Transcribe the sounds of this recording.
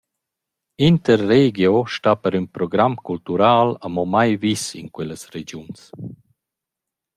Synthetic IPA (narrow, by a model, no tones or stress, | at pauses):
int̪əɾːeɡjoʃtapəɾynpɾɔɡɾamkult̪uɾaːləmɔmajvisḭnkwɛləsɾed͡ʒjuns